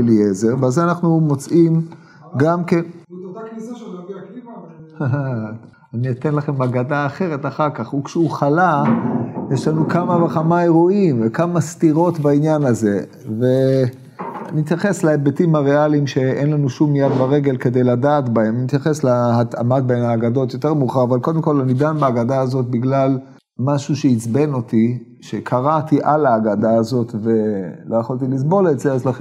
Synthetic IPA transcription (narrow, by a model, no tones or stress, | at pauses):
eliezeʁbazeanaχnumo̞t͡sʔim | ɡamken | h | anit̪enlaχemaɡadaːχe̞ʁe̞t̪aχaʁkaχukʃeuχala | jeʃlanukamavaχamae̞ʁoimvekamast̪iʁo̞t̪bainjanaze̞ | ve | a̰niit̪jaχe̞slaebetimaʁealimʃe̞enlanuʃumjad̪baʁe̞ɡe̞lke̞d̪e̞jladaːtbahemanimit̪jaχeslaat̪a̰mat̪̚baemaːɡado̞t̪jo̞te̞ʁmuχaʁavalko̞d̪emko̞lanidanbaaɡad̪aazot̚biɡlal | maʃuʃeit͡sbeno̞t̪i | ʃe̞kʰaʁat̪iʔalaːɡad̪aːzo̞t̪ve̞lo̞jaχolt̪̬ilis̬bo̞letzeeslaχe